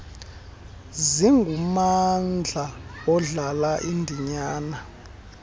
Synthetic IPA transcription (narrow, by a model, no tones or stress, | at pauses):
ziŋɡʱumand͡ɮʱaɔɮalaʔindʱiɲaːna